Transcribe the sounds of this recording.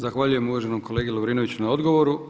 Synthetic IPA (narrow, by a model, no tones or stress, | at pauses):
zaxʋaʎuje̞muʋaʒenomko̞le̞ːɡelobɾiːno̞ʋit͡ɕunao̞d̪ɡo̞ʋo̞ɾu